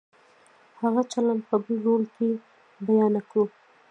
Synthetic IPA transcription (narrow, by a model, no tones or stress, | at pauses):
haɣat͡ʃaland̪̚pəbəlɾolke | bajɑnakɽu